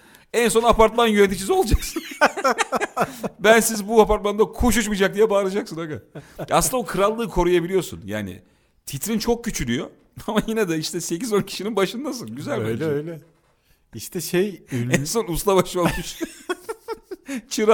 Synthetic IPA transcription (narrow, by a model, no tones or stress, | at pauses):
ɛnso̞napaɾt̪̚manjønet̪̬ʰit͡ʃʰizo̞lˠad͡ʒaksɯn | bænsizbuapaɾt̪mand̪akʰuʃ̬uʃmid͡ʒak̚d̪ijɛbaːɾˠad͡ʒaksɯnaɡaa̰sɯnd̪abokʰɯɾalˠːɯːkʰo̞ɾujabilʲijo̞sṵnja̰ːnɪ̰ | t̪ʰit̪ɾint͡ʃʰo̞k̚cːyt͡ʃʰylʲyjo̞ | amajinɛd̪ɛiʃt̪ʰɛse̞cizo̞ncʰi̥ʃininbaʃɯnd̪as̬ɯnɟyzælʲøiøjlɛ | iʃt̪ʰɛʃejɛnso̞nuslˠabaʃlˠalmiʃt̪ | t͡ʃʰɯɾa